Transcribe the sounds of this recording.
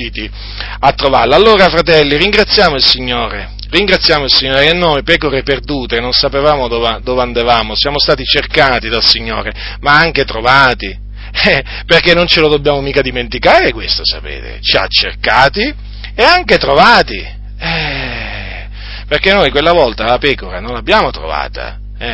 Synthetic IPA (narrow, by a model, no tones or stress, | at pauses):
iːt̪i | at̪ːɾova̰rlaalːoːɾafɾat̪ɛlːiɾiŋɡɾat̪sːjaːmoilsiɲːoːɾe | riŋɡɾat̪sːjaːmoilsiɲːoːɾekenːojpɛːkoɾeperd̪uːt̪enonsapevaːmod̪ɔːved̪oːveand̪avaːmosjaːmost̪aːt̪it͡ʃerkaːt̪id̪alsiɲːoːɾe | maaŋket̪ɾovaːt̪i | ɛ | perkenːont͡ʃelod̪objaːmomiːkad̪iment̪ikaːɾekwest̪osapḛːt̪ḛt͡ʃia̰t͡ʃːḛrkaːt̪i | eaŋket̪ɾovaːt̪i | ɛ | perkenːojkwelːavɔlt̪alapɛːkoɾanonlabːjaːmot̪ɾo̰va̰ːt̪ʰa̰ | ɛ